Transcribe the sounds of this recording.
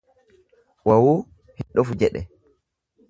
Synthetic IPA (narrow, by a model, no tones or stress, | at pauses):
wawo | hiɗofud͡ʒɛɗɛ̰